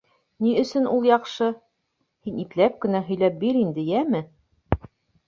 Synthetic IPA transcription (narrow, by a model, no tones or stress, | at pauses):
niɵ̆sɵnulˠjɑqʃɤ | hiniklæp̚kɘ̆næɦɵ̆jlæp̚biɾind̪ɘjæmɘ